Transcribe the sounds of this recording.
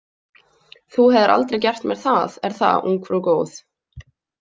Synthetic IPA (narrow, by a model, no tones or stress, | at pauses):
θuhɛðɪɾʔa̰lt̪ɾejcɛr̥t̪mjɛɾ̥θaðɛɾ̥θa̰ṵŋkʰvɾɔkoːwθ